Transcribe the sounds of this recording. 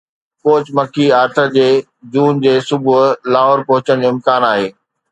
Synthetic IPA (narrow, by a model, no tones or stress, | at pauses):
koːt͡ɕmɐkʰiaːɾt̪ʰə̆d͡ʑeː | d͡ʑuːnd͡ʑeːsʊbʱʊɦlaːɦoːɾpɐɦʊt͡ɕəɽ̃d͡ʑoːɪ̃mkaːnaːɦeː